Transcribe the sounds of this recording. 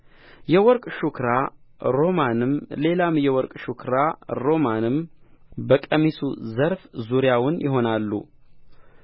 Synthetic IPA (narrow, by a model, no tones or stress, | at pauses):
jɛwɔɾkʼʃukɾaɾo̞manɨmle̞lamjɛwɔɾkʼʃukʰɾaɾo̞manɨmbəkʼəmisṵzəɾfzuɾjawʊnjɪɦo̞nalːṵ